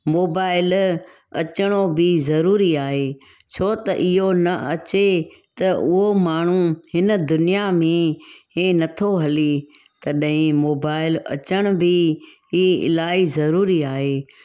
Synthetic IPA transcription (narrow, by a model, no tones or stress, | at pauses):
moːbaːɪl | ɐt͡ɕəɽ̃obɪzɐɾuːɾiaːɦeː | t͡ɕʰoːt̪ɐ̰ʔɪɦonɐɐt͡ɕe | t̪ɐʔʊɦomaːɳ̤ũhɪnə̆d̪ʊnɪjamẽẽnɐt̪ʰoɦɐli | t̪ɐɗɦɪ̃moːbaːɪlɐ̰t͡ɕəɽ̃ʊbʱɪɦiɪ̰laːizɐɾuːɾiaːɦeː